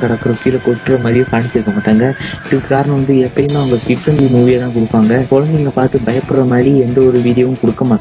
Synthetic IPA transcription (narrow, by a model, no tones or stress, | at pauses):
kɐɽɐkːɯɾɐkɪlɐkɔʈːɯɾɐmɐːɾɪjʊ̃kaːɳɪt͡ʃːɯɾɯkːɐmaːʈːaːŋɡɐʈ̪ɯkːɯkaːɾɐnɐʋɐnd̪ɯɛpːɐɽɪnːãːʊŋɡɐkɪʈːɐnd̪imuːʋɪjɐt̪ãːkʊɽɯpːaːŋɡɐkɔɻɐnd̪iŋɡɐpaːɾt̪ɯbɐjɐpːɯɽɾɐmɐːɽiɛnd̪ɐɔɾɯʋiːɽɪjɐʋɯ̃kɔɽɯkːɐmaːʈː